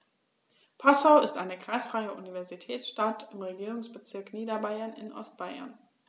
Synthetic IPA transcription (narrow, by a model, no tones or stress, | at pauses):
pʰasaʊɪstʔaɪnəkʁ̥aɪsfʁ̥aɪəʔunivɛɐzitʰɛːt͡sʃtatɪmʁeɡiːʁʊŋsb̥ət͡sɪɐkniːdɐbaɪɐnɪ̰nʔɔ̰st̚b̥aɪɐ̰n